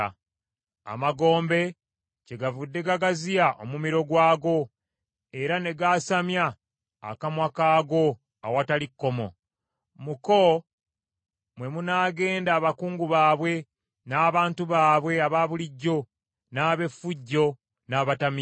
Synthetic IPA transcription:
a̰maɡo̞ːmbe̞ | ce̞ɡavudːe̞ɡaɡazijaʔo̰mumiɾo̞ɡwaːɡo̞ | e̞ɾane̞ɡaːsamja̰ː | kamwakaːɡo̞ | awatalikːo̞mo̞̰ | muko | mwe̞munaːɡe̞ːndaːβakuːŋɡuβaːβwe̞ | naːβaːntuβaːβwe̞aβaβuliɟːo̞ | naːβe̞fuɟːo̞ | naːβatami

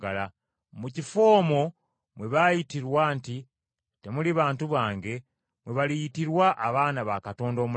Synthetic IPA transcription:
ala | mucifo̞ːmo̞ | mweβajitiɾwaːnti | te̞muliβaːntuβaːŋɡe̞ | mwe̞βalijitiɾwaʔːβaːnaβakato̞ːndo̞ːmu

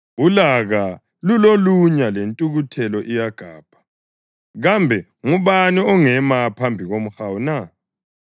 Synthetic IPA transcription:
ulaɣa | luloluɲalentʼuɣutʰɛlɔʔijaɡ̥ʱaːb̥ʱḁ | ɣambʱɛ | ŋuβaniɔŋɛmapʰambʱiɣom̩xawuna

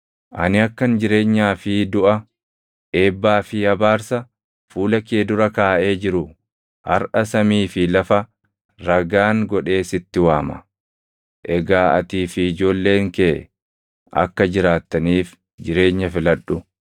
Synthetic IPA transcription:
ʔɐnɪɐkːɐnd͡ʒɪɾe̞ːɲːaːfɪd̪ʊʔɐ | ʔe̞ːbːaːfɪhɐbaːɾsɐ | fuːlɐkeːd̪ʊɾɐkaːʔe̞ːd͡ʒɪɾʊ | hɐ̰ɾʔɐsɐmiːfɪlɐfɐ | ɾɐɡaːŋɡɔᶑe̞ːsɪt̪ːɪwaːmɐ̥̰ | ʔɛɡaːɐ̰t̪iːfɪːd͡ʒo̞ːlːe̞ːŋke | ʔɐ̰kːɐd͡ʒɪɾaːt̪ːɐniːf | d͡ʒɪɾe̞ːɲːɐfɪlɐᶑːʊ

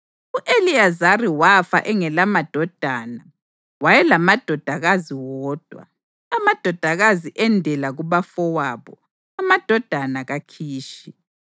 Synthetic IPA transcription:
uʔeliazariwafa̰ʔɛŋɛlamad̥ʱɔd̥ʱana | wajɛlamad̥ʱɔd̥ʱaɣaziwɔːd̥ʱwa̰ | amad̥ʱɔd̥ʱaɣaziʔɛndʱɛlaɣuβafɔwaːβɔ̰ | amad̥ʱɔd̥ʱanaɣakʰiːʃi

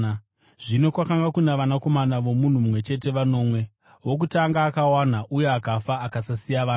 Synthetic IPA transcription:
ʐ̥ino̞kwakaŋɡakunaʋanako̞manaʋo̞mun̤umumwe̞t͡ʃe̞te̞ʋano̞ːmwe̞ | wo̞k̬utaŋɡaːkawan̤aʔuje̞akafaːkasasijaʋaː

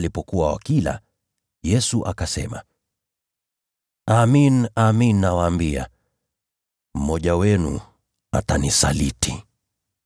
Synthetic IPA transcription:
lipɔkuwawa̰kila̰ | jɛsuʔakasɛma | aminaminːawaːmbia̰ | m̩mɔʄawɛnṵ | atanisa̰litʰi

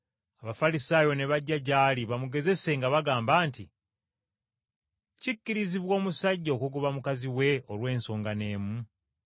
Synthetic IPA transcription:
aβafalisaːjo̞ne̞βaɟːaɟaːliβamuɡe̞ze̞se̞ŋɡaβaɡaːmbaːnti | cicːiɾiziβwo̞ːmusaɟːokuɡuβamukaziwe̞o̞lwe̞ːnso̞ːŋɡane̞ːmu

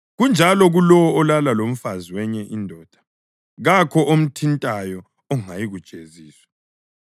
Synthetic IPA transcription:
ɣund͡ʒʱalɔɣulɔwɔːlalalom̩faziwɛɲɛʔindʱɔːd̥ʱḁ | ɣakʰɔʔom̩tʰintʼajɔ | ɔŋajiɣud̥ʒ̥ʱeziːswḁ

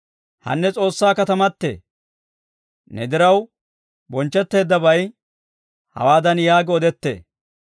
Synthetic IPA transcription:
hɐ̰nːɛt͡sʼo̞ːsːaːkɐt̪ɐmɐt̪ːḛː | nɛd̪ɪɾɐw | bɔnt͡ʃːɛt̪ːe̞ːd̪ːɐbɐj | hɐ̰waːd̪ɐnjaːɡɪɔd̪ɛt̪ːḛː

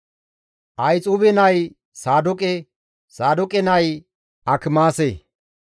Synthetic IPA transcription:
ʔɐjt͡sʼubɛnɐj | saːd̪ɔkʼɛ | saːd̪ɔkʼɛnɐj | ʔɐkɪmaːse

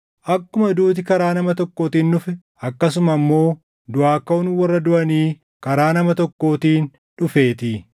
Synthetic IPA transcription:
ʔɐkːʊmɐd̪uːt̪̬ɪkɐɾaːnɐmɐt̪ɔkːo̞ːt̪iːnːʊfɪ | ɐkːɐsʊmɐmːo̞ː | d̪ʊaːkːɐʊnwɐrːɐd̪ʊʔɐniː | kɐɾaːnɐmɐt̪ɔkːo̞ːt̪iːn | ᶑʊfe̞ːt̪ɪ

